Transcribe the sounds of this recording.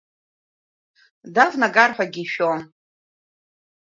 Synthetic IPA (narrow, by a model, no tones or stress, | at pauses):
davnaɡarħʷᶣaɡʲiʃᶣon